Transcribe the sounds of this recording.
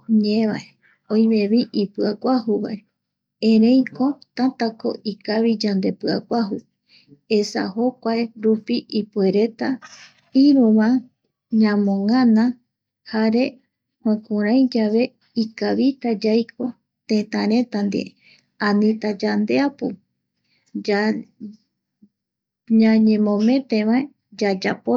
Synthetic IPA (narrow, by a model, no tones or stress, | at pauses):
ɲeβae | ojmẽβiʔipɨakʷahuβa̰e | ẽɾẽ̞j̃ko̞t̪ãt̪ako̞̰ʔikaβid͡ʒand̪e̞pɨakʷaɦu | esa̰ho̞kʷaeɾupiʔipue̞ɾe̞t̪a | iɾũβã | ɲãmõŋãnã | haɾe̞ | hwẽkũɾãj̃d͡ʒaβe̞ | ikaβit̪ad͡ʒajkʰo̞ | t̪ẽt̪ãɾẽ̞t̪and̪ḭe | ãnĩt̪ad͡ʒand̪eapo | ɲãɲẽ̞mõmẽ̞t̪ẽʋae | d͡ʒad͡ʒapo